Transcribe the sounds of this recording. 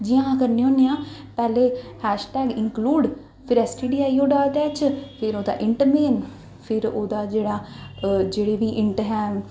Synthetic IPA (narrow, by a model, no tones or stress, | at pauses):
d͡ʒiãːkəɾneõːnejãː | pɛːleːhɛːʃʈɛːɡɪ̃ŋkluːɖ | pʰɪɾɛːsʈiːɖiːaːioːɖaːlt̪ɛːt͡ʃpʰɪɾoːd̪a̰ːʔɪɳʈəmeːn | pʰɪɾoːd̪aːd͡ʒeːɽaːd͡ʒeːɽeːʋiːʔɪ̃ɳʈɦɛː